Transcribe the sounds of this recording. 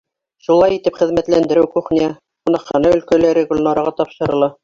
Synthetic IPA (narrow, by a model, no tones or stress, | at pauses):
ʃulˠɑjit̪ɘpχɘ̆ðmæt̪lænd̪ɘ̆ɾɘwkuχniæ | qŭnɑqːɑnɑɵ̆lkælæɾɘɡulʲnɑɾɑʁɑt̪ɑpʃɤ̆ɾɤ̆lˠɑ